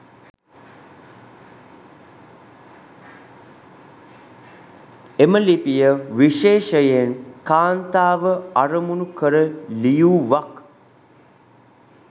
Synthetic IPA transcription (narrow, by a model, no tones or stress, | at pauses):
eməlipijəʋiʃeːʃəjenkaːnt̪aːʋəaɾəmunukəɾəlijuːʋak